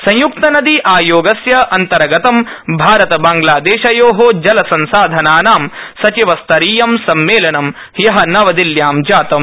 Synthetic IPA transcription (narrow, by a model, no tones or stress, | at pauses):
sɐ̃j̃juk̚t̪ɐnɐd̪iʔaːjoːɡɐsjɐʔɐnt̪ɐɾɐɡɐt̪ɐmbʱaːɾɐt̪ɐbaːŋɡlaːd̪eːʃɐjoːɦoːd͡ʒɐlɐsɐ̃nsaːd̪ʱɐnaːnaːmsɐt͡ʃiʋɐst̪ʰɐɾiːjɐmsɐmːeːlɐnɐm | jɐɦɐnɐʋɐd̪iljaːmd͡ʒaːt̪ɐm